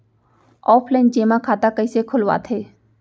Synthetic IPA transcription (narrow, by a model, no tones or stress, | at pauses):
ɔːpʰlɛːnd͡ʒeːmãkʰaːt̪akəisekʰʊlʋa̰t̪ʰeː